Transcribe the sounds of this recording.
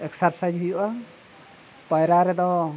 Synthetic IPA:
ɛksaɾsajd͡ʒɦujuʔa | pəjɾaɾɛd̪ɔ

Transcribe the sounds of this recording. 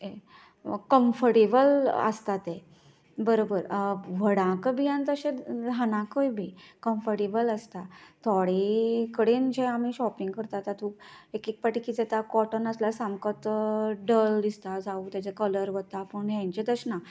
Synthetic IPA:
e | kəmfəɾʈebələ̰st̪at̪e | bəɾobəɾʋəɽãkəbijãnt̪əɕedʱanãkəjbʱikəmfəɾʈebələst̪at̪ʰɔɽikəɽend͡ʑẽamiɕɔpiŋɡkəɾt̪at̪at̪ukekek̚paʈikid͡zɛt̪akɔʈənəslasamkət̪ɖəld̪ist̪ad͡zaut̪jat͡ɕekələɾʋət̪apəɳɦãɲt͡ɕet̪əɕna

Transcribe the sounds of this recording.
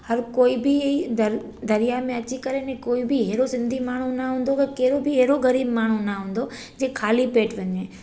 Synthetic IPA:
hɐɾkoːibʱiid̪əɾ | d̪ɐɾijamẽɐt͡ʃikəɾenẽkoːibʱiɦeːɾosɪ̃nd̪ʱimaːɳ̤̃ũnaɦũnd̪okəkeːɾobʱiɦeːɾoɣɐɾiːbmaːɳ̤unaɦʊ̃ːnd̪o | d͡ʒeːkʰaːlipeːʈʋɐɲeː

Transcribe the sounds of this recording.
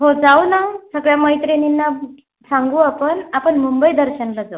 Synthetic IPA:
ɦod͡zaunasəɡɭjaməjt̪ɾeninːa | saŋɡuːapəɳapəɳmumbəjid̪əɾɕənlad͡zau

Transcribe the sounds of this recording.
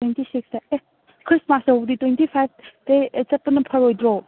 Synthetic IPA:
wentisiksae | kʰɾismasɦobditwentipʰajb̚ʰtet͡ʃɐt̚pɐnɐpʰɐɾojdɾo

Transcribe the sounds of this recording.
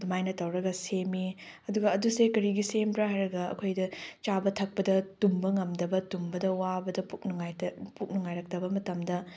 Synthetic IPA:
dumajnɐtɐwɾɐɡɐsemiɐduɡɐːdusekɐɾiɡisempɾaɦajɾɐɡɐɐ̰kʰojdɐt͡ʃabɐtʰɐk̚pɐdɐtumbɐŋɐmdɐbɐtumbɐdɐwabɐdɐpukŋjpuk̚nuŋajɾɐk̚tɐbɐmɐtɐmdɐ

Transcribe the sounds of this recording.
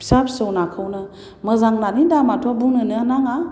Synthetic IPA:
sapsəwnakʰɯwnɯ | mɯzaŋnanindamatʰuabunɯnɯanaŋa

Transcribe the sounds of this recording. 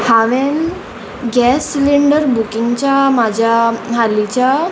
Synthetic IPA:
haʋen | ɡɛsliɳɖəɾbukĩŋɡt͡ɕamad͡ʑʱjaɦalit͡ɕa

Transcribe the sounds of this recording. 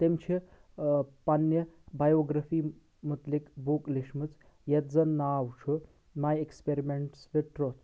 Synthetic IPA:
t̪emt͡ʃʰi | pɐnjɐbajoɡɾɐfiː | mut̪likbukliʂmɨt͡s | jɐt̪d͡zɐnaːwt͡ʃʰu | majekspeɾimeɳʈsʋeʈɾot͡s

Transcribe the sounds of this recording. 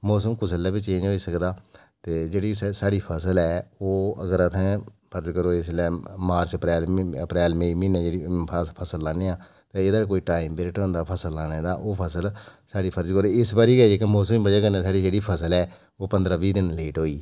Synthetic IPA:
mɔːsəmkʊt͡ʃʰəlːaːbiːt͡ʃẽːd͡ʒoːiːsəkd̪aː | t̪eːd͡ʒeːɽiːsaːɽiːpʰəsəlɛːoːə̰ɡəɾət̪ʰɛ̃ːpʰəɾd͡ʒkəɾoːɪslɛːmaːɾsəpɾɛːləpɾɛːlmẽːiːmiːneːd͡ʒeːɽipʰəpʰəsəlːaːneːãː | t̪ẽːeːd̪aːk̬oːiːʈaːimbɪɾɪʈõːnd̪aːpʰəsəlːaːneːd̪aːʔoːpʰəsəlsaːɽiːpʰəɾd͡ʒkəɾoːɪsbaːɾiːɡəiekemɔːsəmbəd͡ʒaːkəɾnẽːsaːɽiːd͡ʒeːɽiːpʰəsəlɛː | oːpənd̪ɾaːʋiːd̪ɪnleːʈɦoːiː

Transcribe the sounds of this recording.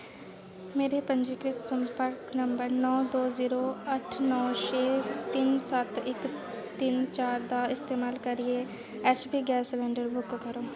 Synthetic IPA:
meːɾepɐ̃ɲd͡ʒɪkɾɪt̪sɐ̃mpəɾknɐ̃mbəɾnɔːd̪oːziːɾoɐʈʰnɔːʃeːt̪insaːt̪ɪk | t̪int͡ʃaːɾd̪aɪst̪eːmaːlkɐɾie | ɛːt͡ʃbiɡɛːslɛ̃ːɳɖəɾbʊkkɐɾoː

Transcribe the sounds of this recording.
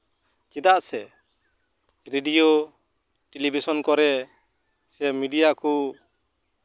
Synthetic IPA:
kid̪aʔsɛ | ɾeɖijo | ʈelibʱisɔnkɔɾɛ | sɛmiɖijaku

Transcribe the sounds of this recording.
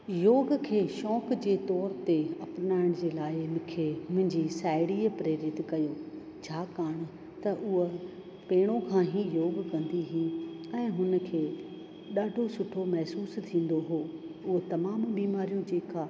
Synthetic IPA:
joːɡkʰeːʃɔːkd͡ʑeːt̪ɔːɾt̪eɐpnaːɪɽ̃d͡ʑeːlaːɪmʊ̃kʰemʊ̃ɦɪ̃ɲd͡ʑisaːɪɽiːpɾeːɾɪt̪kɐjoː | t͡ɕʰaːkaːɽ̃ | t̪ɐʔʊɦo | peːɽ̃õkʰãːɦijoːɡkɐ̃nd̪iɦĩ | ɛ̃ːɦʊnə̆kʰeː | ɗaːɖʱosʊʈʰomɛɦsuːst̪ʰĩːn̆d̪oɦoːʊɦot̪ɐmaːmbiːmaːɾijõd͡ʑeːkaː

